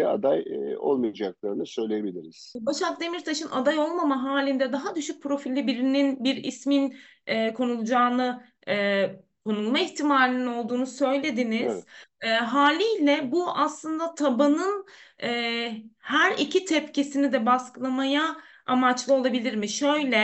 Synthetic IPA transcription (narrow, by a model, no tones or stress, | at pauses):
ia̰d̪ajo̰lˠmajad͡ʒak̚lˠaɾɯnɯsø̞jlʲejebilʲiɾiz̥baʃak̚d̪e̞miɾt̪ʰaʃɯnʔa̰d̪ajo̞lˠmamaɦaːlʲind̪ɛd̪aɦad̪yʃyc̚pʰɾo̞filʲːibiɾininbiɾḭsminː | kʰo̞nulˠud͡ʒaːnɯ | ɯː | kʰo̞nulˠmaiçt̪ʰimaːlʲinio̞lˠd̪uːnusø̞jlʲe̞d̪iniz̥ɛːɦaːlʲijlʲɛbuaslˠɯnd̪at̪ʰabanɯnɛːhæɾicʰit̪ʰɛpcesinid̪ɛbaskɯlˠamaja | amat͡ʃlˠɯo̞lˠabilʲiɾmiʃø̞jlʲɛ